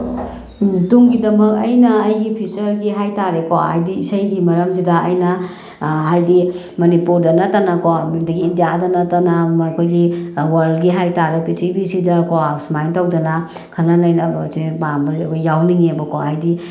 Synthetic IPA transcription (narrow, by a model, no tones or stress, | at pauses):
tuŋɡidɐmɐk̚ɐjnɐːjɡipʰit͡ʃɐɾɡiɦajtaɾekoa̰jdiisajɡimɐɾɐms̬idɐɐjnɐ | ɦajdi | mɐnipuɾdɐnɐtːanɐkoadɐɡiːndijadɐnɐtanakʰojɡiwaɾlɡiɦajtaɾepisibisidɐkoasmajntawdɐnɐ | kʰɐlanajnabɐsebambɐkajjawniŋeɐbɐkoajdi